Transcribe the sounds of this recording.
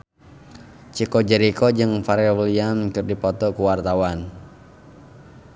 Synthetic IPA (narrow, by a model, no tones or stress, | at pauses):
t͡ʃikɔd͡ʒɛɾikɔd͡ʒɨŋfaɾeliamkɨrdipɔt̪ɔkuwart̪awan